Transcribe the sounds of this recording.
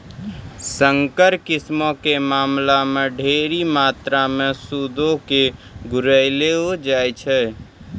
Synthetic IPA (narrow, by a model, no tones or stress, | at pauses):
sə̃ŋkəɾkɪsmõkemaːmlamẽɖʱeːɾimaːt̪ɾamẽsud̪õke | ɡʊɾəɪleod͡ʒaːjt͡ʃʰɛː